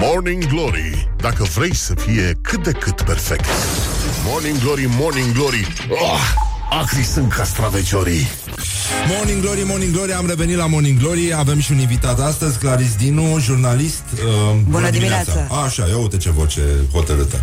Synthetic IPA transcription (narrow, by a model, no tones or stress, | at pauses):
morniŋɡloɾḭd̪akəvɾe̞jsəfije̞kʰɨt̪̚d̪e̞kɨt̪perfekt̪ | morniŋɡloɾimorniŋɡloɾi | o | akɾisɨŋkast̪ɾavet͡ʃoɾi | mo̞rniŋɡlo̞ɾimo̞rniŋɡlo̞ɾiamre̞ve̞nit̪lamo̞rniŋɡlo̞ɾiave̞mʃiuninvit̪at̪ast̪əzʲklaɾis̬d̪inuʒurnalist̪əbunəd̪iinaasaʃa̰joot̪et͡ʃevo̞̰t͡ʃe̞̰ho̞t̪əɾɨt̪ə̰